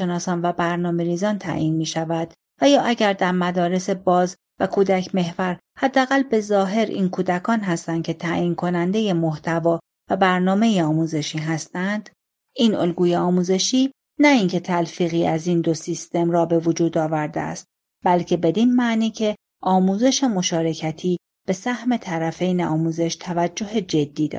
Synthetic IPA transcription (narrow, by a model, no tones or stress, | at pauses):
ʃenɒːsɒːnvæbæɾnɒːme̞ɾiːzɒːnt̪ʰæ̰ʔiːnmiːʃævæd̪̥ | væjɒːʔæɟæɾd̪æɾmæd̪ɒːɾe̞sebɒːz | vækʰuːd̪æcʰme̞hvæɾ | hæd̪ːeæɣælbe̞zɒːɦe̞ɾʔḭːnkʰuːd̪ækʰɒːnɦæst̪æncʲʰe̞t̪ʰæːjiːnkʰo̞nænd̪e̞je̞mo̞ht̪ʰævɒː | væbæɾnɒːme̞jeɒːmuːze̞ʃiːɦæst̪ænd̪̥ | ʔiːnolɡuːjeɒːmuːze̞ʃiː | næincʰe̞t̪ʰælfiːɣiːæzind̪o̞sist̪e̞mɾɒːbe̞vod͡ʒuːd̪ɒːvæɾd̪ḛæ̰st̪̚ | bælcʰe̞be̞d̪inmæniːcʰe̞ | ʔɒːmuːze̞ʃe̞mo̞ʃɒːɾe̞cʰæt̪ʰiː | b̥e̞sæhme̞t̪ʰæɾæfe̞jneʔɒːmuːze̞ʃt̪ʰævæd͡ʒːo̞ɦed͡ʒe̞d̪ːiːd̪ɒ̰